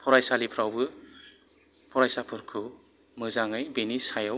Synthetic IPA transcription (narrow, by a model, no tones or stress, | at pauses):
pʰɔɾajsalipʰɾawbɯ | pʰɔɾajsapʰɯɾkʰɯ | mɯzaŋɯjbenisajaw